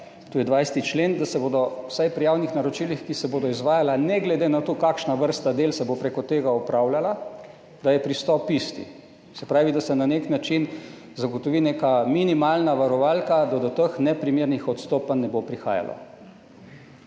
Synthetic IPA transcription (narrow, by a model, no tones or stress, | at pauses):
t̪oːjɛd̪ʋajst̪it͡ʃleːnd̪asɛboːd̪ɔwsajpɾijaːwnixnaɾɔt͡ʃiːlixkisɛboːd̪ɔizʋaːjalanɛɡlɛd̪eːnat̪oːkakʃnaʋəɾst̪ad̪eːlsɛbopɾekɔt̪eːɡaɔpɾawlala | d̪̥ajɛpɾist̪ɔpist̪ḭ | sɛpɾaːʋid̪asɛnaneknat͡ʃin | zaɡɔt̪ɔʋiːneːkaminimaːlnaʋaɾɔʋaːlkad̪ad̪ɔt̪əxnɛpɾimeːɾnixɔt̪st̪oːpanːɛbopɾixa̰ːja̰lɔ̰